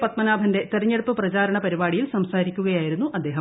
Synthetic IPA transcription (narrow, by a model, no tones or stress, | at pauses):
pɐt̪mɐnaːbʱɐnde̞t̪eɾɐɲːeɽupːɨprɐt͡ɕaːɾɐɳɐpɐɾibaːɽijilsɐmsaːɾikʲːuɣɐjaːjiɾunːuʔɐd̪ːeːɦɐ